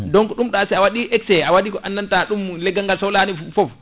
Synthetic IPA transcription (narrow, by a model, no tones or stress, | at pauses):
dɔŋkɔɗumɗaasɛawaɗiʔɛksɛawaɗikɔʔanːantaɗumlɛɡːaŋɡalsɔwlanifɔf